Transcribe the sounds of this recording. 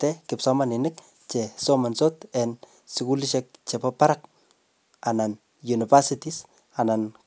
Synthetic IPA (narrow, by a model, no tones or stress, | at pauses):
tɛkɪpsɔmaninɪk̚ | t͡ʃesomansot̪ɛn | sɪkuliʃɛk̚t͡ʃepapaɾak | anan | junifasitis | anan